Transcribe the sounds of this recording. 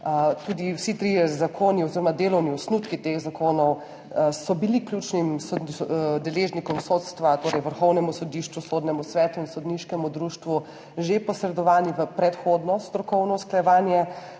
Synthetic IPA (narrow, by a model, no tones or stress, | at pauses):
t̪uːd̪iwsit̪ɾiɛzakʰoːniɔziɾɔmad̪eːlɔwniɔsnut̪kit̪exzakoːnɔw | sɔbiliklʲjuːt͡ʃnimsɔd̪nd̪ɛleʒnikɔmsot̪st̪ʋat̪oːɾɛjʋəɾxɔwnɛmusɔd̪iʃt͡ʃʋusoːd̪nɛmusʋɛːt̪uinsɔd̪niʃkɛmud̪ɾuːʃt̪ʋu | ʒepɔsɾɛd̪ɔʋaːniʋəpɾɛt̪xod̪nɔst̪ɾɔkɔwnɔsklajɛʋaːnjɛ